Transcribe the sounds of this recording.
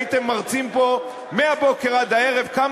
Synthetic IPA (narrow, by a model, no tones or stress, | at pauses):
it̪emːaʁt͡simpo̞ | meabo̞keʁad̪ae̞ʁe̞vkam